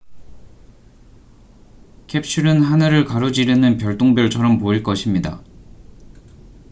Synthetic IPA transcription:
kʰe̞p̚ɕʰuɾɯnɦanɯɾɯɭkaɾod͡ʑiɾenɯnpjʌɭt͈oŋbjʌɭt͡ɕʰʌɾʌmpoiɭk͈ʌɕʰimɲida̰

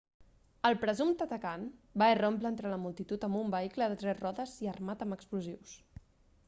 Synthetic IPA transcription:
əlˠpɾəzumt̪ət̪əkanbairomplent̪ɾələmulˠt̪it̪ut̪əmbumbəikləðət̪ɾɛzrɔðəziərmat̪əməkspluziws

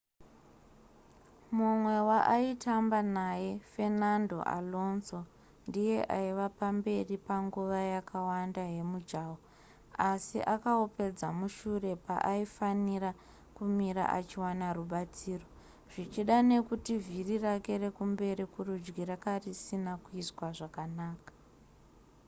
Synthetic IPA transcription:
mumwe̞waʔaitambanaje̞fe̞nando̞̰ʔa̰lo̞nso̞ | ndije̞ʔaiʋapambe̞ripaŋɡuʋajakʰawandaje̞mud͡ʒaːwo | asḭʔakaope̞d͡zamuʃure̞pa̰ʔaifanira | kumiɾa̰ʔa̰t͡ʃiwanaruɓat͡siːro̞ | ʐ̥it͡ʃiɗane̞kutivirirakeɾe̞kumbe̞ɾikurud͡ʒɡiɾakarisinakuiswaʐakanaːkḁ

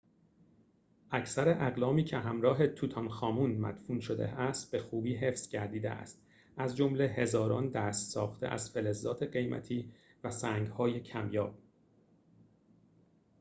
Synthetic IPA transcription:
ʔæcʰsæɾeʔæɣlɒːmiːcʰe̞ɦæmɾɒːɦe̞t̪ʰut̪ʰɒnxɒːmuːnmæ̰d̪̥fuːnʃod̪ḛæst̪̚be̞xuːbiːɦe̞fsɟæɾd̪iːd̪ḛʔæ̰st̪ | ʔæzd͡ʒomle̞he̞zɒːɾɒːnd̪æst̪sɒːxt̪ʰḛʔæ̰z̥fe̞lezːɒːt̪ʰe̞ɢe̞jmʔæ̰t̪ʰiː | væsæːŋɡhɒːjecʰæmjɒːb̥̚

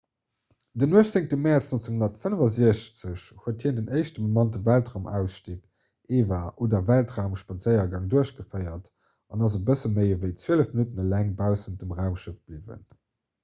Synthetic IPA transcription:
dənuəʃt͡seŋ̚təmɛt͡snont͡səŋhundɐtfənəvɐziəɕt͡səɕhuəthiːəndəneɪʃtəmomɑntəvæltʁaʊmʔæ̰ʊsʃtik | eːvɐʔoːdɐvæltʁaʊmʃpɑt͡səɪɐɡɑŋduəɕɡ̥əfəɪɐt | ɑnɑzəbəsəməɪvəɪt͡sweələfminutənəlæŋbaʊsənd̥əmʁaʊmʃəf̚b̥livə̰n

